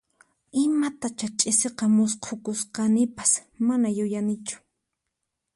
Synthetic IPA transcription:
ɪmat̪at͡ʃat͡ʃʼɪseqɑmʊsqʰokʊsqɑnɪpḁsmanajʊjanɪt͡ʃʊ̥

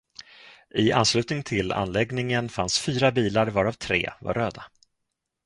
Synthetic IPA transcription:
ʔɪa̰nslʉ̟ːt̪nɪŋt̪ʰɪla̰nːlɛɡnɪŋənfansfyːɾabiːlaɾvɑːɾavt̪ʰɾḛːva̰ɾːøːd̪a

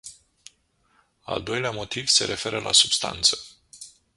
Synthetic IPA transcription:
a̰ld̪o̞jleamo̞t̪iv̥se̞̰ɾʔe̞fe̞ɾəlʔa̰subst̪a̰nt̪sə̥

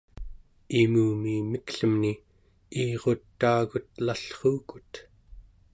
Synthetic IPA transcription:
imuːmimikɬəmni | iːʁo̞t̪ːaːɣut̪laɬχuːku̥t̪

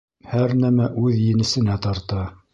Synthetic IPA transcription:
hæɾnæmæʔʉðjɘ̆nɘ̆sɘ̆næt̪ɑɾt̪ɑ

